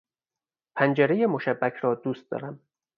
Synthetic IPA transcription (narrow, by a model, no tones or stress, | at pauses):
pʰænd͡ʒeɾejemoʃæbːækʰɾɒːd̪uːst̪̚d̪ɒ̰ːɾæm